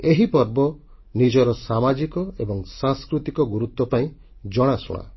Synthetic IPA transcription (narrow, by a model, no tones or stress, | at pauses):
eɦipɔɾbɔ | nid͡ʒɔɾɔsamad͡ʒikɔebɔŋsãŋskɾut̪ikɔɡuɾut̪wɔpaĩ | d͡ʒɔɽ̃asɔ̰ɽ̃a̰